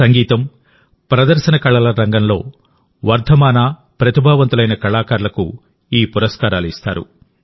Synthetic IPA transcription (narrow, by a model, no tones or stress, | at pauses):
sɐŋɡiːt̪ɐm | pɾɐd̪ɐɾʃɐnɐkɐɭːɐlɐɾɐŋɡɐnlo̞̰ː | ʋɐɾt̪ʰɐmaːnaː | pɾɐt̪ibʱaːʋɐnt̪ulɐjnɐkɐɭaːkaːɾlɐku | iːpuɾɐskaːɾaːluist̪a̰ːɾṵ